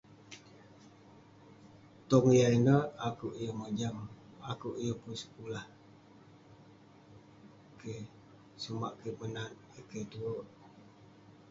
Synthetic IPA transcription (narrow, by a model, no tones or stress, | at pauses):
t̪ɔŋjainəakuʔjəməd͡ʒamakuʔjəpunsə̥kulah | ke | sumaʔkəmənan | ikət̪uoʔ